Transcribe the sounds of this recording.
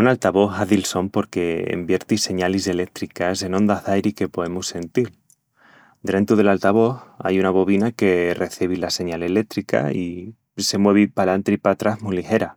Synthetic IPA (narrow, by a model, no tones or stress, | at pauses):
unalt̪aβo̞θaðilso̞mpo̞ɾke̞ḛmbje̞ɾt̪ise̞ɲalise̞le̞k̚t̪ɾikase̞nõ̞nd̪azðajɾike̞po̞e̞musːe̞nt̪il | d̪ɾe̞nt̪uðe̞lalt̪aβ̞o̞θa̰junaβo̞βinake̞re̞θiβ̞ilase̞ɲale̞le̞k̚t̪ɾika̰i | se̞mwe̞β̞ipalant̪ɾipat̪ɾazmujlixe̞ɾa